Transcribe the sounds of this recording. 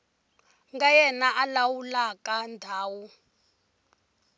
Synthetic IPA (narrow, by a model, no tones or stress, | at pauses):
ŋɡajɛnaʔalawulakʼandʱaːwu